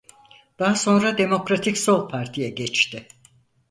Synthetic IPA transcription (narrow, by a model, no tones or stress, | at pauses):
d̪̥aɦaso̞nɾad̪e̞mo̞kɾat̪ʰicso̞lˠpʰaɾt̪ʰijɛɟɛt͡ʃt̪ɪ